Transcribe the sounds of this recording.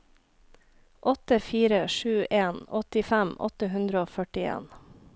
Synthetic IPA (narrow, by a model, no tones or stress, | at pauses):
ʔɔt̪əfiːɾəʃʉːʔeːnɔt̪ɪfæmɔ̰t̪əɦʉnd̪ɾəoːfœʈɪḛːn